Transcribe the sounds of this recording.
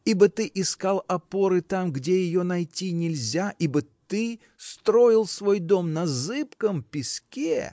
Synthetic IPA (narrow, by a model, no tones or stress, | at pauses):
ibət̪ɨʔɪskalˠɐpo̞ɾɨt̪amɡdʲejɪjo̞nɐjtʲinʲɪlʲzʲaʔibət̪ɨ | st̪ɾo̞jɪlˠsvo̞jd̪o̞mnɐzɨpkəmpʲɪskʲḛ